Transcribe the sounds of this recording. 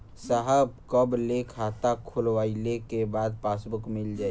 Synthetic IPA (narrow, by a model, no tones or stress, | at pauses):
saɦəbkəblekʰaːt̪akʰʊlwaːilekebaːd̪̚paːsbʊkmɪld͡ʒaːe